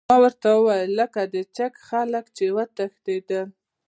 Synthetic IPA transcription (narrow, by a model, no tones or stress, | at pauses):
ɑwəɾt̪awəwɑjəlːəkad̪ət͡ʃakxaləkt͡ʃewat̪əxd̪ed̪ə